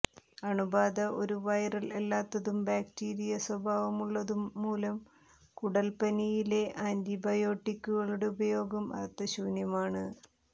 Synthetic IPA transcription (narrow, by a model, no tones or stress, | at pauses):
ɐɳubaːd̪ɐʔo̞ɾuʋɐjɐrɐle̞lːaːt̪ːɐðumbaːktiːɾijɐswɐbʱaːʋɐmuɭːɐðumːuːlɐm | kuɽɐlpɐnijile̞ʔaːnd̪ibɐjo̞ːʈːikʲːuɣɐɭuɽeubɐjo̞ːɡɐmɐ̰rt̪ːɐɕuːnjɐmaːɳɨ